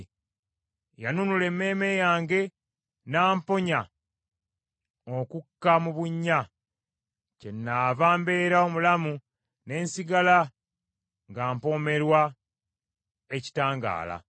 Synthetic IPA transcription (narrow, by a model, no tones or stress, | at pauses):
janunule̞mːe̞ːmejaːŋɡe̞ | naːmpo̞ɲa | okukːamuβuɲːa | ce̞nːavaːmbe̞ɾao̞mulamu | ne̞ːnsiɡala | ŋɡaːmpo̞ːme̞ɾwa | eci̥taːŋɡa̰ːla̰